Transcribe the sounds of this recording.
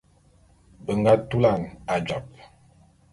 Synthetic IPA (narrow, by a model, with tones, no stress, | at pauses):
bə˨ŋɡa˦tu˦la˦˨ŋa˨d͡ʒa˨p̚